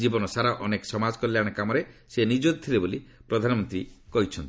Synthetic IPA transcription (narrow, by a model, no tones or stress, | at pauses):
d͡ʒibɔnɔsaɾaʔɔneksɔmad͡ʒkɔlːjaɽ̃ɔkamɔɾesenid͡ʒod̪̚t̪ʰilebolipɾɔd̪ʱanɔmɔnt̪ɾikɔɦit͡ʃʰɔnt̪i̥